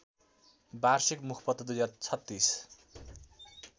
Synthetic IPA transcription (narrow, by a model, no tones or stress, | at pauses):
barsikmukʰpʌt̪ːʌd̪ujd͡zaɾt͡sʰʌt̪ːis